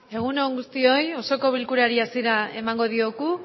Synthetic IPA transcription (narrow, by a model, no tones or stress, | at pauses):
e̞ɣ̞uno̞ŋɡust̪io̞jo̞so̞ko̞β̞ilkuɾaɾiasiɾae̞̰maŋɡo̞ð̞ioɣu